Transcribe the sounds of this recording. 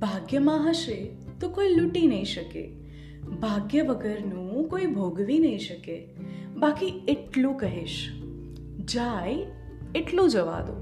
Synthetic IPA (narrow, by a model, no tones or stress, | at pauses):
bʱaɡjəmãɦəʃe | t̪okoiluʈinəĩʃəkḛ | bʱaɡjəʋəɡəɾnũkoibʱoɡʋinəɦĩʃəke | bakieʈlũkəɦeʃ | d͡ʒaj | eʈlũd͡ʒəʋa̰d̪o̰